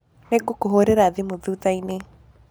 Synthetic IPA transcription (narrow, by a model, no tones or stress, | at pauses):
neɡokoɦoɾeɾaðemoðuːtaine